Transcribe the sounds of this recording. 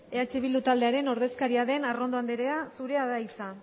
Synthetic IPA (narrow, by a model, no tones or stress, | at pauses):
e̞at͡ʃe̞βilut̪ald̪e̞aɾe̞no̞ɾðe̞skaɾiaðe̞naro̞nd̪oand̪eɾe̞asuɾe̞aðajt͡sa